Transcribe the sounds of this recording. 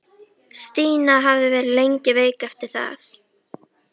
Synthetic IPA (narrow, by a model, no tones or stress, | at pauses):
st̪iːnaɦavðɪvɛːɾɪðlejɲcɪveːjkaft̪ɪɾ̥θa̰θ